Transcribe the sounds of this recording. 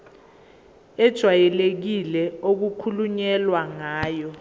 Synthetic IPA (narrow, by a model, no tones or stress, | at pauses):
ɛd̥ʒ̥ʱwajɛlek̬ilɛok̬ukʰuluɲɛlwaŋaːjɔ